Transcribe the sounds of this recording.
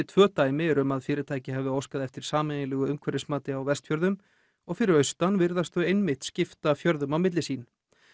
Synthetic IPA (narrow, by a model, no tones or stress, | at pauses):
ɪt̪ʰvœːt̪aːjmɪɛɾʏmaðfɪːɾɪt̪ʰaːjcɪɦɛvɪowskaðɛft̪ɪɾ̥saːmɛnɪlɛːɣʏʏmkʰɛɾɪsmaːt̪ɪawvɛst̪fjœɾðʏm | ɔɣfɪɾɪɾœɥst̪anvɪɾðast̪ʏejnmɪht̪scɪft̪afjœɾðʏmawmɪt̪lɪsiːn